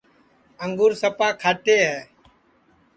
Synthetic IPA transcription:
əŋɡuːɾsəpaːkʰaːʈ̪eːɦɛː

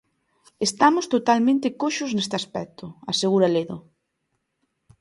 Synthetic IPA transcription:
est̪amʊst̪ot̪almẽnt̪ɪkoʃʊznest̪ɪaspɛk̚t̪ʊaseɣ̞uɾaleðʊ̰

